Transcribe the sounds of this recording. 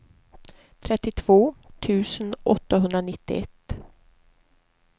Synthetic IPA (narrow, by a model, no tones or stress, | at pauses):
t̪ʰɾɛt̪ːɪt̪ʰv̥oːt̪ʰʉ̟ːsənʔɔt̪ːaɦɵnd̪ɾanɪt̪ːɪ̰ɛt̪ː